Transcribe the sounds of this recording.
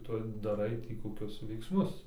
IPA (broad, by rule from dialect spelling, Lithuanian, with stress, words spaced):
ˈtʊ dɐˈrɐɪ tʲiː koːˈkʲʊs ʋʲɛɪksˈmʊs